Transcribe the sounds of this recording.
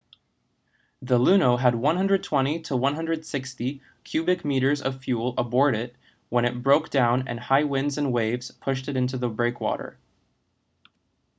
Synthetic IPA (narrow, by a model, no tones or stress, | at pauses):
ðəlʉnoʊəd̚wʌ̃nɦʌ̃ndɹɨd̚tʰw̥ɛ̃ɾ̃iɾəwʌ̃nɦʌ̃ndɹɨd̥sɪksti | kʰj̥ʉbɨkmiɾə˞zʌ̰v̥fjulˠəbɔɹɾɪt̚ | wə̃ɾ̃ɨt̚b̥ɹoʊkd̥ãʊ̃nɨ̰̃nhaɪwɪ̃ndzɨ̃nweɪvz̥pʰʊʃtɨɾɪ̃nt̬ʉðəbɹeɪkʰwɔ̰ɾə̰˞